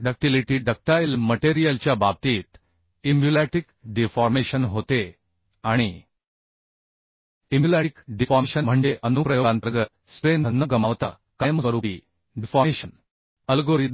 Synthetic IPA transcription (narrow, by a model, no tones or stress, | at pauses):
ɖək̚ʈiliʈiɖək̚ʈajilməʈeɾijəlt͡ɕjabab̚t̪iːt̪ | imbjulæʈikɖifɔɾmeɕənɦot̪e | aɽ̃i | imjulaʈikɖifɔɾeɕəm̤əɳd͡ʑeʔənupɾəjoant̪ɾəɡət̪ | spend̪ʱənːəɡəmaʋt̪a | kajməɾupi | ɖifɔɾeɕən | əlɡoɾid̪